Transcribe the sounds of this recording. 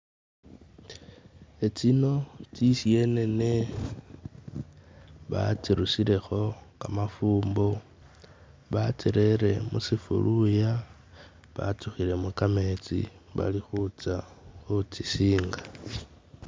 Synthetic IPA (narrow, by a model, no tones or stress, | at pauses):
et͡sino̞t͡sisie̞ne̞ne | βa̰t͡siɾusile̞xo̞kamafuːmbo | βat͡siɾe̞ɾe̞musifṵluja | βa̰tuxile̞mukame̞t͡sḭβa̰lixut͡saxut͡sisiːŋɡa